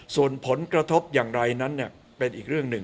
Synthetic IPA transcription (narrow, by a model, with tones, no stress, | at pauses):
su˨˩ənpʰo˩˦nkɾa˧t̪ʰo˦˥p̚jaː˨˩ŋɾa˧jna˦˥nːi˥˩ə | pe˧nʔiː˨˩k̚ɾɯ˥˩əŋnɯ˨˩ŋ